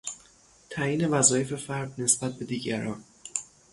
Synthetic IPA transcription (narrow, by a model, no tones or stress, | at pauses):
t̪ʰæjiːne̞væzɒːje̞fe̞fæɾd̪ne̞sb̥æt̪̚be̞d̪iːɟæɾɒːn